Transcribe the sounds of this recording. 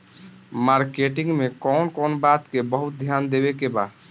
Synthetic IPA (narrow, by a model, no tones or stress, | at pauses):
maɾkeʈiŋɡmekɔːnkɔːnbat̪kebəɦut̪̚d̪ʱjand̪ebekeba